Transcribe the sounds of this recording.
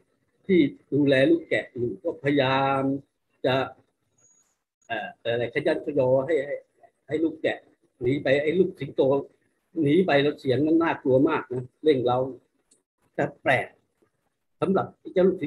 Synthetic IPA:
t̪ʰiː˥˩duː˧lɛː˧luː˥˩k̚kɛ̰˨˩ʔʔiː˨˩nkɔː˥˩pʰa˧jaː˧m | t͡ɕa˨˩ | ʔaː˨˩˧a˧jɾa˧˩jkʰa˧˩˦jaː˥˩nkʰɔ˧jɔː˧ɦa˥˩jha˥˩j | ha˥˩jluː˥˩k̚kɛ̰˨˩ʔ | niː˨˦pa˧jʔa˥˩jluː˥˩k̚si˨˩˦ŋt̪oː˧ | niː˨˦pa˧jla˧wt͡ɕʰi˨˦əŋna˧˥˩nːaː˥˩k̪lu˧ɐmaː˥˩k̚na˦˥le˥˩ŋla˦˥˩w | t̪a˨˧˩plɛː˨˩k̚ | sa˨˦mɾa˨˩p̚a˧˩t͡ɕaː˧˥˩lu˥˩k̚si˨˦

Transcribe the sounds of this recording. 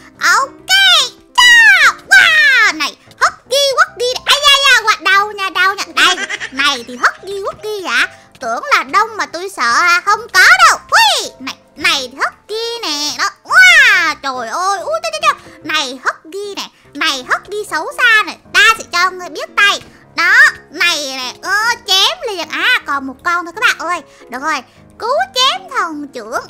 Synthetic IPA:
ʔo˧wke˧ | t͡ɕaː˧˨waː˨˧˩na˨˩j | hə˦˥t̚ɣi˧ɣə˦˥t̚ɣi˧nɛ˨˩ɓa˧jzaː˧jzaː˧˩ɣaː˨˩ɗa˨˩wɲaː˧˩ɗa˧˩wɲə˧˨ɗa˨˩jna˨˩jt̪ʰi˨˩ɦə˦˥t̚ɣi˧wu˦˥t̚ɣi˧za̰ː˧˦ | t̪ɨ̰˧˩˨əŋlaː˨˩ɗə˧wŋ͡mmaː˨˩t̪u˧jsə̰ː˧˨aː˧˩xə˧wŋ͡mkɔ˨˦ɗə˧˩wwi˧na˨˩jna˨˩jhə˦˥t̚ɣi˧nɛ˨˩nɔ˨˦waː˨˧˩t͡ɕo˨˩jʔə˧jʔu˨˦t̪ə˧˦˥tːt͡ɕɔ˧˩wna˨˩jhə˦˥t̚ɣi˧nɛ˨˩ | na˨˩jɦə˦˥t̚ɗi˧sə˧˩wsaː˧nɛ˨˩t̪aː˧sɛ̰˧˥t͡ɕɔ˧ŋ˨˩jɓi˦˥ət̚t̪a˧j | ɗɔ˨˦na˨˩jnɛ˨˩ʔə˧t͡ɕɛ˨˦mli˨˩ənʔaː˨˩kɔ˨˩nmo˨˩t̚kɔ˧nt̪ʰːkːɓaː˨˩ŋʔəː˧j | ɗɨ˨˩ək̚zo˨˩j | ku˨˦t͡ɕɛ˨˦mt̪ʰə˨˩ŋt͡ɕɨ˧˩˦əŋ

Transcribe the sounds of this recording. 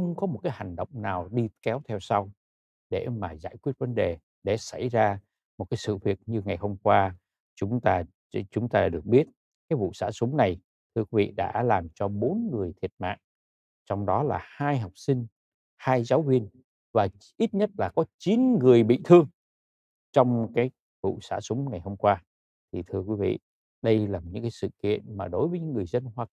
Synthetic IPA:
xə˧wŋ͡mkɔ˨˦mo˨˩t̚kaː˨˦jha˨˩ŋ̟ɗə̰˧˨wŋ͡mnaː˨˩wɗi˧kɛ˨˦wt̪ʰɛ˧wsa˧w | ɗe˧˩maː˨˩zaː˧˥˩jkwi˦˥ət̚və˨˦nɗe˨˩ | ɗe˧˩sa˧˩jzaː˧ | mo˨˩kaː˨˦jsɨ̰˧˨vi˨˩ək̚ɲɨ˧ŋa˨˩jho˧wmkwaː˧ | t͡ɕʊ˨˦ŋ͡mt̪aː˧ | t͡ɕʊ˨˦ŋ͡mt̪aː˧ɗɨ˨˩ək̚ɓi˦˥ət̚ | kaː˨˦jvṵ˧˨sa̰ː˧˩sʊ˨˦ŋ͡mna˨˩j | t̪ʰɨ˧əkwi˨˦vḭ˧˨ɗa̰ː˧˥laː˨˩mt͡ɕɔ˧ɓo˨˦nŋɨ˨˩əjt̪ʰi˨˩ət̚ma̰ː˧˨n | t͡ɕɔ˧wŋ͡mɗɔ˨˦laː˨˩haː˧jɦa˨˩wk͡p̚sï˧ŋ̟ | haː˧jzaː˨˦wvi˧ən | vaː˨˩ | ʔi˦˥t̚ɲə˦˥t̚laː˨˩kɔ˨˦t͡ɕi˨˦nŋɨ˨˩əjɓḭ˧˨t̪ʰɨ˧əŋ | t͡ɕɔ˧wŋ͡mkaː˨˦j | vṵ˧˨sa̰ː˧˥sʊ˨˦ŋ͡mŋa˨˩jho˧mkwaː˧ | t̪ʰi˨˩t̪ʰɨ˧əkwi˨˦vḭ˧˨ | ɗə˧jlaː˨˩ɲɨ̰˧˥ŋkaː˨˦jsɨ̰˧˨kḭ˧˨ənmaː˨˩ɗo˨˦jvə˨˦ɲɨ̰˧˥ŋːɨ˨˩əjzə˧nhwaː˧˨

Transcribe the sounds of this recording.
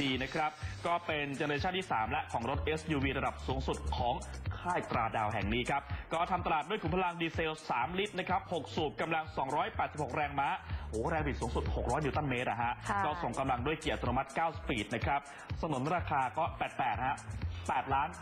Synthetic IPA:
iː˧na˦˥kʰɾa˦˥p̚kɔː˥˩pe˧nt͡ɕa˧nː˧t͡ɕʰaː˥˩t̪ʰiː˥˩saː˩˦mlɛ˦˥kʰɔː˩˦ŋɾo˦˥t̪̚ʔeː˦˥sjuː˧wiː˧ɾa˧da˨˩p̚suː˩˦ŋsu˨˩t̪̚kʰɔː˩˦ŋkʰaː˥˩jt̪ɾaː˧daː˧˩wɦɛ˨˩ŋniː˦˥kʰɾa˦˥p̚kɔː˥˩t̪ʰa˧mt̪a˧laː˨˩t̪̚du˥˩əjku˩˦mpʰa˧la˧ŋdiː˧seː˧wsaː˩˦mli˦˥t̪̚na˦˥kʰɾa˦˥p̚ho˨˩k̚su˨˩p̚ka˧mla˧ŋsɔː˩˦ŋɾɔː˦˥jpɛː˨˩t̪̚i˨˩pho˨˩k̚ɾɛː˧ŋmaː˦˥ʔhoː˨˩˦ɾɛː˧ŋpʰi˨˩t̪su˩˦ŋsu˨˩t̪̚ho˨˩k̚ɾɔː˦˥jniː˧˨˩t̪a˥˩nmeː˦˥t̪̚ʔa̰˨˩ɦa˦˥ʔkɔː˥˩so˨˩ŋka˧mla˧ŋdu˥˩əjki˨˩ə˩t̪̚ʰːnu˧ma˦˥t̪̚kaː˥˩wspiː˨˩t̪̚na˦˥kʰɾa˦˥p̚ | sa˧nu˩˦nɾaː˧kʰaː˧kɔː˥˩pɛː˨˩t̪̚pɛː˨˩t̪̚ha˦˥ʔpɛː˨˩t̪̚laː˦˥n

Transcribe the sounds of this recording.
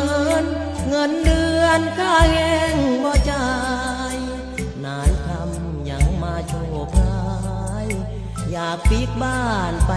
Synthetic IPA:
ŋɤ˧˥n | ŋɤ˧˥˩nlɯ˧ənkʰaː˧˩hɛ˧ŋbɔː˧˩t͡ɕa˧ | j | naː˨˦˥jt̪ʰa˧m | ɲa˧˩ŋmaː˧t͡ɕʰoː˨˩k̚la˧ | j | jaː˨˩k̚pi˧˦˥k̚baː˧˥˩npa˧

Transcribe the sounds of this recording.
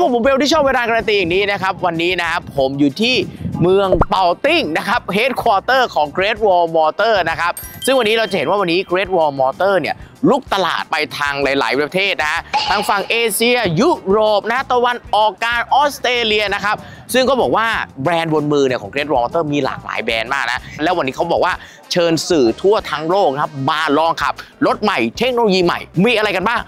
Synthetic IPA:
pʰo˨˦mpʰːo˨˦mpe˧niː˥˩t͡ɕʰɔː˥˩p̚weː˧laː˧ka˧ɾa˧nt̪̬iː˧ja˨˩ŋniː˦˥na˦˥kʰa˦˥p̚wa˧nːiː˦˥na˦kʰa˦˥pʰːo˩˦mjuː˨˩t̪ʰiː˥˩mɯ˧əŋpa˨˧wt̪i˥˩ŋna˦˥kʰa˦˥p̚he˦˥t̪̚kʰwɔː˧t̪ɤː˥˩kʰɔː˩˦ŋkɾe˦˥t̪̚wɔː˧mɔː˧t̪ɤː˥˩na˦˥kʰa˦˥p̚sɯ˥˩ŋwa˧nː˦ɾa˧wt͡ɕa˨˩he˩˦nwaː˥˩wa˧nːiː˦˥kɾe˦˥t̪̚wɔː˧mɔː˧t̪ɤː˥˩ni˥˩əlu˦˥k̚t̪a˧la̰ː˨˩t̪̚pa˧jt̪ʰaː˧ŋla˨˩˦jla̰ː˩˦jpɾa˧pa˧t̪ʰeː˥˩t̪̚na˦kʰa˦˥t̪ʰaː˧ŋfa˨˩ŋʔeː˧si˧ɐju˦˥ɾoː˨˩p̚na˦kʰa˦˥t̪a˧wa˧nʔɔː˨˩k̚ːaː˧nʔɔː˦˥s̚t̪ɾeː˧li˧ɐna˦˥kʰa˦˥p̚ | sɯ˥˩ŋkɔː˥˩bɔː˨˩k̚waː˥˩bɾɛː˧nwo˧nmɯː˧ni˩kʰɔː˩˦kɾe˦˥t̪̚wɔː˧mɔː˧t̪ɤː˥˩miː˧la̰ː˨˩k̚la̰ː˩˦jbɛː˧nmaː˥˩k̚na˦˥lɛː˦˥wa˧nːiː˦˥kʰa˦˥wbɔː˨˩k̚waː˥˩ | t͡ɕʰɤː˧nsɯː˨˩t̪ʰu˥˩ɐt̪ʰaː˦˥ŋloː˥˩k̚kʰa˦˥p̚maː˧lɔː˧ŋkʰa̰˨˩p̚ɾo˦˥t̪̚ma˨˩jt̪ʰe˦˥k̚noː˧loː˧jiː˧ma̰˨˩jmiː˧ʔa˧ɾa˧jka˧nbaː˥˩ŋ

